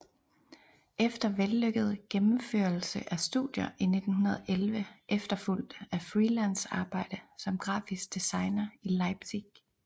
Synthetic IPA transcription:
ʔefd̥ɐʋelːøɡ̥əð̞ˠɡ̥emm̩fø̰ːɐl̩səʔæsd̥ṵðˠjɐʔine̝d̥n̩hunɐð̞ˠʔelʋəʔefd̥ɐful̰d̥æfʁiːlænsɑ̈ːb̥ɑ̈ɪ̰d̥əsɒ̽mɡ̥ʁɑ̰̈ːfisɡ̥̚d̥isɑ̈ɪnɐilɑ̈ɪb̥siɡ̥

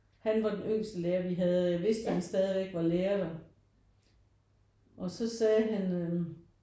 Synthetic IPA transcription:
hænʋɑ̈d̥enøŋ̰sd̥əleːɐʋiɦæðˠjɑʋe̝sd̥əhænsd̥ɛːð̞ˠiʋeɡ̥ʋɑ̈leːɐɾ̥ɑ | ʔɒ̽sɒ̽sɛːɦænø

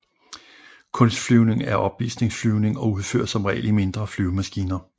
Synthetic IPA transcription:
kʰɔ̽nsd̥flyʊne̝ŋæɐʔɒ̽b̥ʋḭːsne̝ŋsflyʊne̝ŋɒ̽uð̞ˠfø̰ɐ̰̥sɒ̽mʁɛ̰ːlime̝nd̥ʁɐflyʊmæsɡ̥iːnɐ

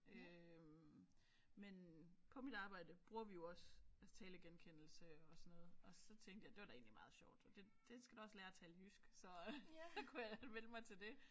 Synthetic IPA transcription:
øm | menpʰɒ̽mid̥ɑ̈ːb̥ɑ̈ɪd̥əb̥ʁuɐʋijo̝ɒ̽sæt͡sʰɛːləɡ̥enkʰen̰l̩səɒ̽sɒnɔ̽ːð̞̩ˠɒ̽sɒ̽t͡sʰeŋɡd̥jɑ̈ɪd̥e̝ʋɑ̈ɾ̥ɑ̈e̝ːnlimɑ̈ːð̞̩ˠɕɒʊ̰d̥ɒd̥e̝d̥e̝sɡ̥æd̥uɒ̽slɛːɐt͡sʰæːlhysɡ̥sɒ̽sɒ̽kʰujamenəmɑ̈ɪt͡sʰe̝ld̥e̝

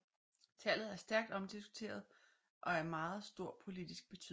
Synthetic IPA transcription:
t͡sʰæl̰ð̩ˠæɐsd̥æɐɡ̥d̥ɒ̽md̥isɡ̥u̥t͡sʰe̝̰ːɐð̞ˠ | ʔɒ̽æɐmɑ̈ːð̩ˠsd̥o̝ɐ̰pʰo̝lid̥isɡ̥̚b̥e̝t͡sʰy̰

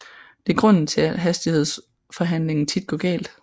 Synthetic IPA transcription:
d̥e̝æɡ̥ʁɔ̽n̰n̩t͡sʰe̝æ̥ɦæsd̥ihe̝ð̞̰ˠs | fɒ̽ɦæn̰le̝ŋn̩t͡sʰid̥̚ɡ̥ɒ̰̽ːɡ̥ɛ̰ːld̥

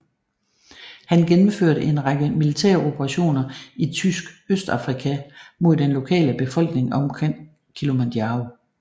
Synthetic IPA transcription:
hænɡ̥enm̩føɐ̰ɾəʔe̝nʁɑ̈ɡ̥əmilit͡sʰeɐ̰o̝b̥ʰɐʁɑ̈ɕo̝̰ːnɐit͡sʰysɡ̥øsd̥ɑ̰̈fʁikʰæmo̝ð̞̰ˠd̥enlo̝kʰɛ̰ːləb̥e̝fɒ̽l̰ɡ̥ne̝ŋɒ̽mkʰeŋ̰ | kʰilo̝mæd̥ɑo

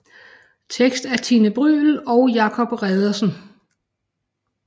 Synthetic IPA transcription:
t͡sʰeɡ̥sd̥æɐt͡sʰinəb̥ʁy̰ːl̩ɒ̽ʊjɑ̈kʰɒ̽b̥ʁɛðˠɐsn̩

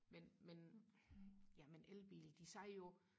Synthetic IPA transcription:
menmen | jæmenʔelb̥ilid̥isæɪjo̝

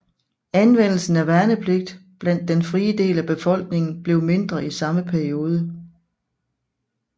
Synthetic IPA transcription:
ænʋen̰l̩sn̩æʋæɐnəpʰle̝ɡ̥̚d̥b̥læn̰d̥ːenfʁiːəd̥e̝̰ːlæb̥e̝fɒ̽l̰ɡ̥ne̝ŋn̩b̥le̝ʊme̝nd̥ʁɐisɑ̈məpʰæɐio̝ːð̞ˠə

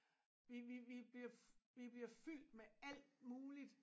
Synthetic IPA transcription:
ʋiʋiʋib̥liɐʋib̥liɐfyl̰d̥meæl̰d̥muːlid̥

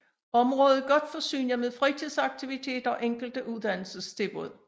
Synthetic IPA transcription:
ɒ̽mʁɔ̽ːð̩ˠɡ̥ɒ̽d̥fɒ̽sy̰ːnɐmeðˠfʁit͡sʰiðˠsɑ̈ɡ̥t͡sʰiʋit͡sʰe̝̰ːd̥ɐɒ̽ʔeŋ̰ɡ̥l̩d̥əʔuðˠd̥æn̰l̩səst͡sʰe̝b̥oð̰ˠ

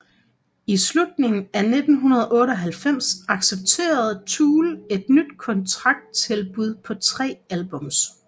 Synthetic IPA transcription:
islud̥ne̝ŋn̩æne̝d̥n̩ɦunɐð̞ˠʔɔ̽ːɾəɒ̽ɦælfem̰sɑ̈ɡ̥seb̥̚t͡sʰe̝̰ːɐð̞̩ˠt͡sʰuːle̝d̥nyd̥kʰɒ̽nt͡sʰʁɑ̈ɡ̥̚d̥̚t͡sʰe̝lb̥uð̞ˠpʰɒ̽t͡sʰʁɛ̰ːælb̥ɔ̽m̰s

